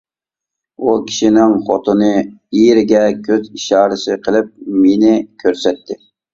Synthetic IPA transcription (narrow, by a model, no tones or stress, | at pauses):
ukʲʰi̥ʃinɪŋχot̪ʰonɨijɾɪɡʲɛkʲʰøziʃɑːɾɨsɪqʰəlˠɪp̚menɪkʲʰøɾsɛt̪ːɪ